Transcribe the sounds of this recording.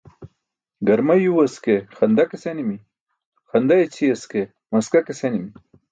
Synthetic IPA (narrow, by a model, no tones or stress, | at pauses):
ɡɐɾmajuwɐskexɐnd̪akesenimi | xɐnd̪ajt͡sʰiɐske | mɐskakesenimi